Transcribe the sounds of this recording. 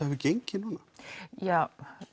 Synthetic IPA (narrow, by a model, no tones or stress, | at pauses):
ahɛvʏcejɲcɪnuːnajaw